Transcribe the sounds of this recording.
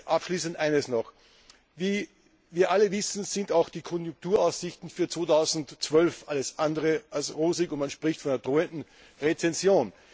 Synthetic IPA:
ʔapʃliːsəntʔaɪnəsnɔχ | viː | viːɐʔaləvɪsn̩zɪndaʊxd̥iːkʰɔnjʊŋk̚tuːɐaʊsz̥ɪçtn̩fyːɐt͡sv̥oːtʰaʊzn̩tt͡sv̥œlfʔaləsʔandəʁəʔalsʁoːzɪkʊntmanʃpʁ̥ɪçtfɔnɪnɐd̥ʁoːəndn̩ | ʁet͡sɛnzjoːn

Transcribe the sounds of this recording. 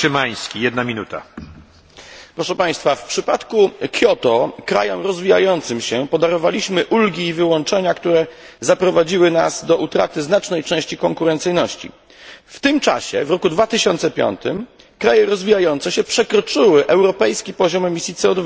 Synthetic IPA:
ʂɘmaj̃skʲijɛd̪namʲinut̪a̰ | pɾɔʂɛpaj̃st̪fafpʂɘpat̪kukʲjɔt̪ɔkɾa̰jɔmɾɔzvʲija̰jɔnt̪sɘmɕɛpɔd̪aɾɔvalʲiɕmɘʔulɡʲiːvɘwɔnt͡ʂɛɲakt̪uɾɛ | zapɾɔvad͡ʑiwɘnaz̥d̪ɔʔut̪ɾa̰t̪ɘznat͡ʂnɛjt͡ʂɛ̃w̃ɕt͡ɕikɔŋkuɾɛnt̪sɘjnɔɕt͡ɕḭ | ft̪ɘmt͡ʂa̰ɕɛ̰vɾɔkud̪vat̪ɘɕɔnt̪sɛpʲjɔ̰nt̪ɘ̰m | kɾajɛɾɔzvʲijajɔnt̪sɛɕɛpʂɛkɾɔt͡ʂɘwɘʔɛwɾɔpɛjskʲipɔʑɔmɛmʲisʲjit̪sɛɔd̪va

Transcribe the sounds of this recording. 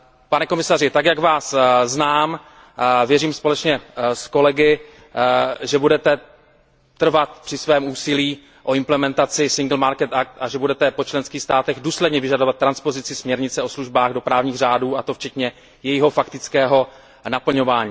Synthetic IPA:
panɛko̞mɪsarɪt̪akjaɡvaːsznaːm | vjɛriːmspo̞lɛt͡ʃɲɛsko̞lɛɡɪ | ʒɛbudɛt̪ɛ | t̪r̩vat̪̚pr̝̥ɪsvɛːmuːsɪliː | ʔo̞ɪmplɛmɛnt̪at͡sɪsɪŋɡl̩maɾkɛt̪ak̚t̪ʔaʒɛbudɛt̪ɛpo̞t͡ʃlɛnskiːxst̪aːt̪ɛɣduːslɛdɲɛvɪʒadovat̪ːɾanspo̞zɪt͡sɪsmɲɛɾɲɪt͡sɛo̞sluʒbaːɣdo̞pɾaːvɲiːɣr̝aːduːʔat̪o̞ft͡ʃɛt̪ɲɛ | jɛjɪɦo̞fakt̪ɪt͡skɛːɦo̞ | napl̩ɲo̞vaːɲiː

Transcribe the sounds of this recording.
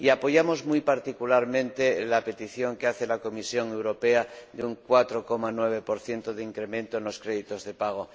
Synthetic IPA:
iapo̞ʝamo̞zmujpaɾt̪ikulaɾmẽnt̪elape̞t̪iθjo̞ŋkeaθe̞lako̞misjo̞ŋe̞wɾo̞pe̞ad̪euŋkwat̪ɾo̞ko̞manwe̞β̞e̞po̞ɾθje̞nt̪oðeiŋkɾe̞mẽnt̪oenlo̞skɾeðit̪o̞zðe̞paɣ̞o

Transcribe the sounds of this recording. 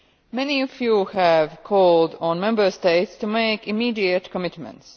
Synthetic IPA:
mɛniɔfjuːhævkʰɔlˠdɔ̃nmɛ̃mbə˞steɪtstumeɪkɪmiːdiɨt̪kʰəmɪtmɛ̰̃nts

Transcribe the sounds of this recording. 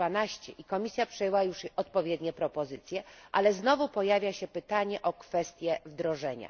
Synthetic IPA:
anaɕt͡ɕɛʔikɔmʲisʲjapʂɛjɛwajuʂɔt̪̚pɔvʲjɛd̪ɲɛpɾɔpɔzɘt̪sʲjɛʔalɛznɔvupɔjavʲjaɕɛpɘt̪aɲɛʔɔkfɛst̪ʲjɛvd̪ɾɔʐɛɲa̰

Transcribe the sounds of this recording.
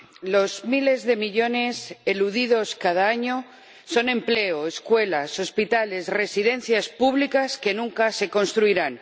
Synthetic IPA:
lo̞zmile̞zðe̞miʎo̞ne̞seluðið̞o̞skað̞aaɲo̞ | so̞nẽ̞mple̞oeskwe̞laso̞spit̪ale̞sre̞siðe̞n̟θjaspuβlikaske̞nũŋkase̞ko̞nst̪ɾuiɾan

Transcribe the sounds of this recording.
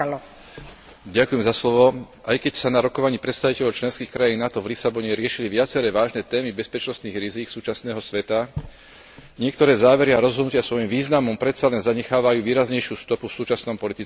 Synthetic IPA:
ɟakujɛmzaslɔʋɔ | ʔajkɛcsanaɾɔkɔʋaɲiːpɾɛt̪st̪aʋicɛʎɔʊt͡ʃlɛnskiːxkɾajiːnːat̪ɔvlisabɔɲɛɾɪɛʃiliʋɪat͡sɛɾɛːʋaːʒnɛt̪ɛːmibɛspɛt͡ʃnɔst̪niːɣɾiziːksuːt͡ʃasnɛːɦɔsʋɛt̪a | ɲɪɛk̚t̪ɔɾɛːzaːʋɛɾiaɾɔzɦɔd̪nucɪasʋɔjimʋiːznamɔmpɾɛt̪salɛnzaɲɛxaːʋajuːʋiːɾazɲɛjʃjuːst̪ɔpufsuːt͡ʃasnɔmpɔlit̪i

